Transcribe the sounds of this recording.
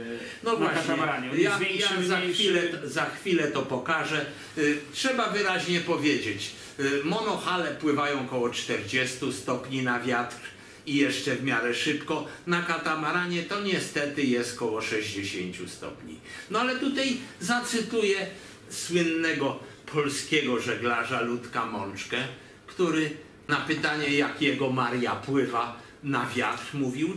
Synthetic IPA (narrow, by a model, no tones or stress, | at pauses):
nɔvwaɕɲaɛɾaɲjavʲjazaxfʲilɛzaxfʲilɛt̪ɔpɔkaʐɛ | tʂɛbavɘɾaʑɲɛpɔvʲjed͡ʑet͡ɕ | mɔnɔxalɛpwɘvajɔ̃w̃kɔwɔt͡ʂt̪ɛɾd͡ʑɛst̪ust̪ɔpɲinavʲjat̪ɾ | ijɛʂt͡ʂɛvmʲjaɾɛʂɘpkɔnakat̪amaɾaɲɛt̪ɔɲɛst̪ɛt̪ɘjɛst̪kɔwɔʂɛʑd͡ʑeɕeɲt͡ɕust̪ɔ̰pɲḭnɔalɛt̪ut̪ajzat̪sɘt̪ujɛ | swɘnːɛɡɔ | pʰɔlskʲɛɡɔʐɛɡlaʐalut̪kamɔnt͡ʂkɛ | kt̪uɾɘ | napɘt̪aɲɛjakjɛɡɔmaɾjapwɘva | navʲjat̪ɾmuvʲiw